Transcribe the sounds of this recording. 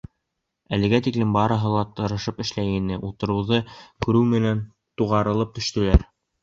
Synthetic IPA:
ælɘ̆ɡæt̪iklɘmbɑɾɤ̆ɦɤlˠɑt̪ɤ̆ɾɤ̆ʃɤpɘ̆ʃlæjɘnɘʔut̪ɤ̆ɾɤ̆wðɤkʉɾɘwmɘ̆næn | t̪uʁɑɾɤ̆lˠɤp̚t̪ɵ̆ʃt̪ɘ̆læɾ

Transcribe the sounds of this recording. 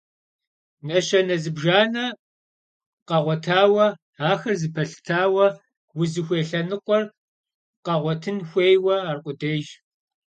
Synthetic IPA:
nɐɕɐnɐzɨbʒaːnɐ | qɐʁʷɔtʰaːwɐ | aːxɐrzɨpʰɐɬɨ̥tʰaːwɐ | wʊzɨxʷeːɬɐnɨqʷɔr | qɐʁʷɔtʰɨnxʷeːjwɐaːrqʷʼʊdeːʒ

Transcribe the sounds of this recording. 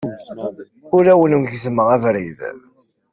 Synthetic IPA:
ʊɾæwənunʝəsməʁævɾḭð

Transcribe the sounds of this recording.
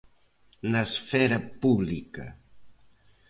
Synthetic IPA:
nəsfɛɾəpuβlikə

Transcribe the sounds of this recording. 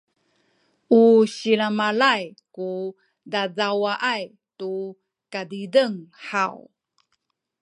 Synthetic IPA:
uɕilamalajku | dazawaʔaj | tu | kadidəŋħaw

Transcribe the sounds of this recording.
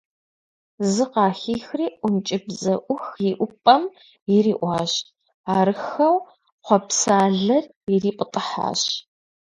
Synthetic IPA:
zɨqɑːxiːxriːʔʷʊmt͡ʃʼɪbzɐʔʷʊxjiʔʷʊpʼɐm | jɪɾiːʔʷɑːʑ | aːɾɨxɐw | qʷɔpsaːɮɐr | ɪriːpʼətʼɨħa̰ːɕ

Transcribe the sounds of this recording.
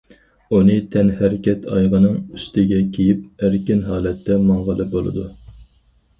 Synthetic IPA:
unɨt̪ʰɛnhæɾɪkʲɛt̪ʰɑjʁənɨŋy̥st̪ʰɪɡʲɛkʲʰejip̚æɾkʲɪnɦɑːlɛt̪ʰːɛmɑɴʁəlˠɨbolˠɨ̰d̪u

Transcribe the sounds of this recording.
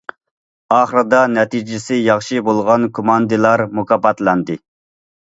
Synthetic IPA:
ɑːχəɾɨd̪ɑnɛt̪ʰid͡ʒɪsɪjɑχʃibolˠʁɑnkʰomɑnd̪ɨlˠɑɾmukʰɑpɑt̪lˠɑnd̪ɨ

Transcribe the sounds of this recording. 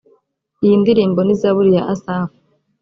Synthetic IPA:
ijindiɾiːmbo̞nizaβuɾijaʔasaːfu̥

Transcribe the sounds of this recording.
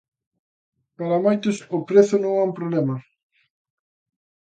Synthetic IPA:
paɾamajt̪osopɾeθonõŋampɾoβlema

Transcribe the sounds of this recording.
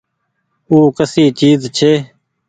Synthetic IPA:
uːkəsiːt͡ʃiːzt͡ʃʰeː

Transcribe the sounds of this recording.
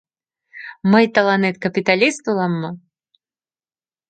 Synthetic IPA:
mɨjt̪ɐlˠanɛt̪̚kɐpʲit̪alʲist̪ulˠamːa

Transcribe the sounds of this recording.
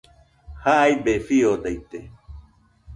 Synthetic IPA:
haʔajbefiod̪ajt̪e

